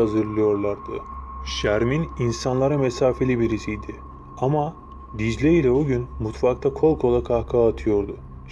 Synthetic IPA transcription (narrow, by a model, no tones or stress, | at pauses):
azɯɾlˠɯjo̞ɾlˠaɾd̪ɯʃæɾmininsanlˠaɾamesaːfe̞lʲibiɾisijd̪ɪ | ama | d̪id͡ʒlʲeilʲɛoɟynmut̪fak̚t̪ʰakʰo̞lˠkʰo̞lˠakʰakʰaːt̪ʰɯjo̞ɾd̪ʊ